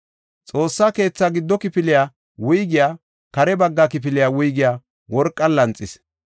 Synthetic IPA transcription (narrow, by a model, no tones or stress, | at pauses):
t͡sʼo̞ːsːaːke̞ːt͡sːaɡɪd̪ːɔkɪpɪlɪjaː | wʊjɡɪjaː | kɐɾɛbɐɡːakɪp̬ɪlɪjawʊjɡɪjaː | wɔɾkʼːɐlːɐnt͡sʼːɪs